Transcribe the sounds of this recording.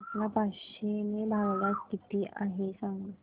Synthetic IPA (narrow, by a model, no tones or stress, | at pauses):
tlapaʂenebʱaɡlakkit̪iːʔaɦesãŋɡ